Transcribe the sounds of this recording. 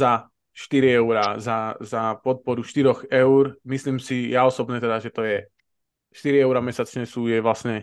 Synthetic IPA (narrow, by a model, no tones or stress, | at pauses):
za | ʃt̪iɾiɛʊɾazazapɔt̪̚pɔɾuʃt̪iɾɔxɛʊɾmisliːmsijaɔsɔbɲɛt̪ɛd̪aʒɛt̪ɔjɛ | ʃt̪iɾiɛʊɾamɛsat͡ʃɲɛsuːjɛʋlasɲɛ